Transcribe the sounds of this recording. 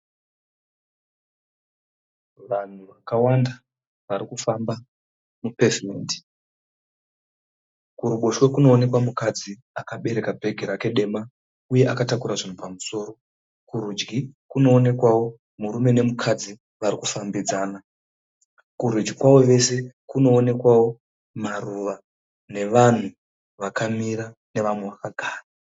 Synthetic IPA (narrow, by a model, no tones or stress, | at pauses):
ʋan̤uʋakawanda | ʋaɾikufamba | mupe̞vimḛːndi̥ | kuɾuɓoʃwekuno̞ːne̞kwamukad͡zi | akaɓe̞ɾe̞kabʱe̞ɡʱeɾake̞ɗe̞ma | uje̞ʔakatakuɾaʐin̤upamuso̞ːɾo̞ | kuɾud͡ʒɡikuno̞ːne̞kwawo̞ | muɾume̞ne̞mukʰad͡zi | ʋarikufambid͡zaːna | kuɾud͡ʒɡikwawo̞ʋe̞se̞kuno̞ːne̞kwawo̞ | maruʋa | ne̞ʋan̤u | ʋakamiɾa | ne̞ʋamweʋakaɡʱaːra